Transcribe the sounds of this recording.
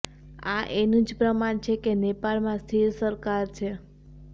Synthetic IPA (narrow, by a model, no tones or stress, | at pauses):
a̰ʔenũd͡ʒpɾəmaɳt͡ʃʰekenepalmãst̪ʰiɾsəɾkaɾt͡ʃʰe